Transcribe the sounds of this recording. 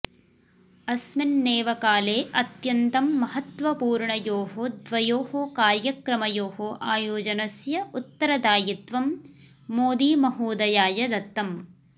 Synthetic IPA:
ɐsminːeːʋɐkaːleːʔɐt̪jɐnt̪ɐmːɐhɐt̪ʋɐpuːɾɳɐjoːɦod̪ʋɐjoːhoːkaːɾjɐkɾɐmɐjoːhoːʔaːjoːd͡ʒɐnɐsjɐut̪ːɐɾɐd̪aːjit̪ʋɐmː | oːd̪iːmɐɦuːd̪ɐjaːjɐd̪ɐt̪ːɐm

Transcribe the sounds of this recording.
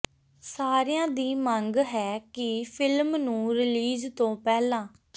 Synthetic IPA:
saːɾejãːd̪iːməŋɡɦɛːkɪpʰɪlmnũːɾɪliːzt̪õːpɛːlãː

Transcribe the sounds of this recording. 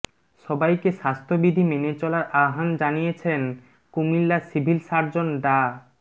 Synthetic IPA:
ʃɔbajkeʃast̪ʰobid̪ʱimenet͡ɕɔlaɾʔaɦand͡ʑanijet͡ɕʰen | kumilːasibʱilʃaɾd͡ʑonɖa

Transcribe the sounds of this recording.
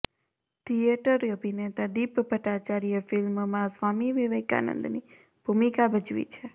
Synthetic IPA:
t̪ʰijeʈəɾəbʱinet̪ad̪ipbəʈat͡ʃaɾijəfɪlmmãsʋamiʋiʋəka̰nə̰̃nd̪ni | b̥ʱumikabʱəd͡ʒʋḭt͡ʃʰe

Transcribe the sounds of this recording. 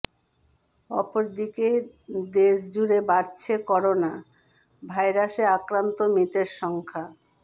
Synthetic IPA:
ɔ̰poɾd̪ike | d̪eʃd͡ʑuɾebaɾt͡ɕʰekɔɾona | bʱajɾaʃeakɾant̪omit̪eɾʃɔŋkʰa

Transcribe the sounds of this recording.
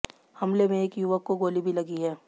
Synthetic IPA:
hɐmlemẽeːkjuʋəkːoɡoːlibʱilɐɡiɦɛː

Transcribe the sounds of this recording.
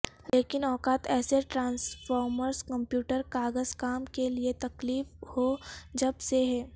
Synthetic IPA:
leːkɪnɔːkaːt̪ɛːseʈɾãːnsfɔːɾməɾskɐ̃mpjuːʈəɾkaːɡəzkaːmkeliet̪ɐkliːfhod͡ʒɐbseɦɛː

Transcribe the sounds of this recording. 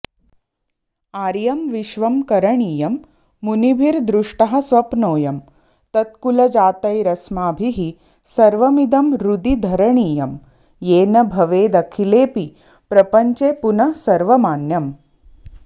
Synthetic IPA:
aːɾjɐmʋiʃʋɐmkɐɾɐɳiːjɐmː | unibʱiɾd̪ɾuʂʈɐɦɐ̆sʋɐpnoːjɐm | t̪ɐt̪̚kulɐd͡ʒaːt̪ɐjɾɐsmaːbʱiɦi | sɐɾʋɐmid̪ɐmɾud̪id̪ʱɐɾɐɳiːjɐm | jeːnɐbʱɐʋeːd̪ɐkʰileːpi | pɾɐpɐɲt͡ʃepunɐsɐɾʋɐmaːnjɐm

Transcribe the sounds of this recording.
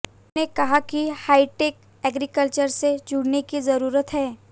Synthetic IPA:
nekɐɦakihaːiʈeːk | ɛːɡɾikəlt͡ʃəɾsed͡ʒʊɽnekizɐɾuːɾət̪ɦɛː

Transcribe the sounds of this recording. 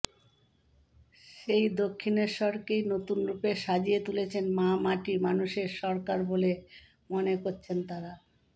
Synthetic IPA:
ʃejd̪okʰːineɾʃɔɾkejnot̪unɾupeʃad͡ʑijet̪ulet͡ɕʰenmamaʈimanuʃeɾʃɔɾkaɾbole | monekoɾt͡ɕʰent̪aɾa

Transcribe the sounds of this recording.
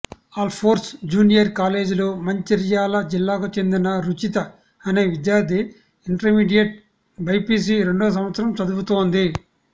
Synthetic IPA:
aːlpʰoːɾsd͡ʒuːnijɐɾkaːle̞ːd͡ʒloːmɐɲt͡ʃiɾijaːlɐd͡ʒilːaːkut͡ʃe̞nd̪inɐɾut͡ʃit̪ɐ | ɐne̞ːʋid̪jaːɾd̪ʱi | iɳʈɐɾmiːɖijɐʈ̚ | bʱɐjpiːs̬iɾe̞ɳɖoːs̬ɐmʋɐt̪sɾɐmt͡ʃɐd̪ubut̪o̞ːnd̪i

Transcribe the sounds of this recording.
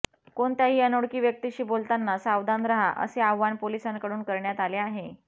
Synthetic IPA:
koɳt̪jaɦiːənoɽkiːʋjək̚t̪iɕiːbolt̪anːasaʋd̪and̪ɾəɦaʔə̰seaʋːanpolisankəɽuːnkəɾɳjat̪aleaɦe

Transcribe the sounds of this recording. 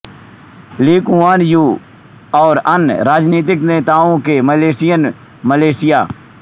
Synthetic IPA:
liːkũːaːnjuː | ɔːɾənɾaːd͡ʒniːt̪̬ɪkneːt̪aːõːkeməleːsɪjən | məleːsɪjaː

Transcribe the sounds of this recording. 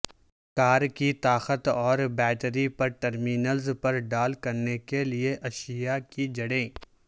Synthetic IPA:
kaːɾkit̪aːxət̪ɔːɾbɛːʈɾipɐɾʈɐɾmiːnəlzpɐɾɖaːlkɐɾnekelieʔɐʃɪjakid͡ʒɐɽẽː

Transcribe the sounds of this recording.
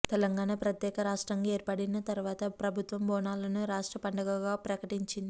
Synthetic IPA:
t̪ɛlɐŋɡaːnapɾɐt̪jɛːkɐɾaːʂʈɾaŋɡae̞ːɾpɐɽinɐt̪ɐɾuʋaːt̪ɐpɾɐbʱut̪ʋɐmbɔːnaːlɐnuɾaːʂʈɾɐpɐɳɖɐɡɐɡaːpɾɐkɐʈiɲt͡ʃind̪i

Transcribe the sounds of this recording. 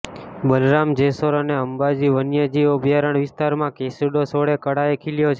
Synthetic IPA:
bəlɾamd͡ʒesoɾəneəmbad͡ʒiʋənjəd͡ʒiobʱjaɾəɳʋɪst̪aɾmãkesəɖosoɽekəɽaekʰiljot͡ʃʰe

